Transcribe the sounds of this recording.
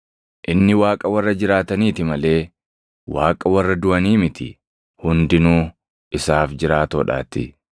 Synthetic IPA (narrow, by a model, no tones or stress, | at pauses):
ʔɪnːɪwaːkʼɐwɐrːɐd͡ʒɪɾaːt̪ɐniːt̪ɪmɐle̞ː | waːkʼɐwɐrːɐd̪ʊʔɐniːmɪt̪ɪ | hʊnd̪ɪnuː | ʔɪsaːfd͡ʒɪɾaːt̪oːᶑa̰ːt̪ːɪ̰